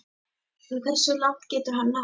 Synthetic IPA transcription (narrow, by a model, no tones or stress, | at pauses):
θɛkθɛsːʏlaht̪cɛːt̪ʏɾɦanːa